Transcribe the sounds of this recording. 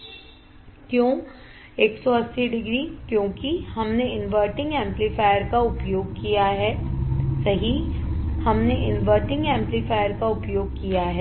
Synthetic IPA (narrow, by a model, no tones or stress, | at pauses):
kjõː | eːksɔɐsːiɖɪɡɾikjõːkihɐmneɪnʋəːɾʈɪ̃ŋɡɛ̃ːmplifaːjəɾkaʊpjoːɡ̚kijaɦɛːsɐɦihɐmneʔɪnʋəːɾʈɪ̃ŋɡɛ̃ːmplifaːjəɾkaʊpjoːɡ̚kijaɦɛː